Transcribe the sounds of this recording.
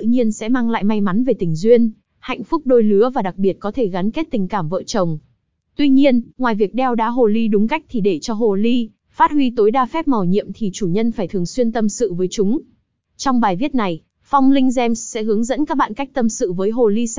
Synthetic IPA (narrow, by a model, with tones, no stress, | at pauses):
ɲi˧ənsɛ̰˧˥maː˧ŋla̰ː˧˨jma˧jma˨˦nve˨˩t̪ï˨˩ŋ̟zwi˧ən | ha̰˧˨jŋ̟fʊ˦˥k͡p̚ɗo˧jlɨ˨˦əvaː˨˩ɗa˨˩k̚ɓi˨˩ət̚kɔ˨˦t̪ʰe˧˩ɣa˨˦nke˦˥t̚t̪ï˨˩ŋ̟kaː˧˩mvə̰ː˧˨t͡ɕə˨˩wŋ͡m | t̪wi˧ɲi˧ənŋwaː˨˩jvi˨˩ək̚ɗɛ˧wɗaː˨˦˥ɦo˨˩li˧ɗʊ˨˦ŋ͡mka˦˥jk̚t̪ʰi˨˩ɗe˧˩t͡ɕɔ˧ɦo˨˩li˧ | faː˦˥t̚hwi˧t̪o˨˦jɗaː˧fɛ˦˥p̚ma˨˩wɲḭ˧˨əmt̪ʰi˨˩t͡ɕu˧˩ɲə˧nfaː˧˩jt̪ʰɨ˨˩əŋswi˧ənt̪ə˧msɨ̰˧˨vəː˨˦jt͡ɕʊ˨˦ŋ͡m | t͡ɕɔ˧wŋ͡mɓaː˨˩jvi˦˥ət̚na˨˩j | fa˧wŋ͡mlï˧ŋzɛ˧mssɛ̰˧˥ɦɨ˨˦əŋzə̰˧˥nkaː˦˥k̚ɓa̰ː˧˨nka˦˥jk̚t̪ə˧msɨ̰˧˨vəː˨˦jɦo˨˩li˧